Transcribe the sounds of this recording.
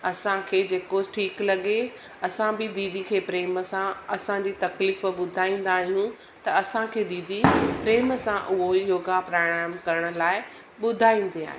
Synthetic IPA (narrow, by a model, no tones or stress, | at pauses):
ɐsãkʰeːd͡ʑeːkoʈʰiːklɐɠe | ɐsãbɪd̪iːd̪ʱikʰeːpɾeːməsãɐsãd͡ʑiːt̪ɐkliːfɓʊd̪ʱaːĩːn̆d̪aːɦijũ | t̪ɐɐsãkʰeːd̪iːd̪ipɾeːməsãʔʊɦojoːɡapɾoːɽ̃aːjmkɐɾəɽ̃ə̆laːɪ | ɓʊd̪ʱaːĩːn̆d̪ia̰ːɦe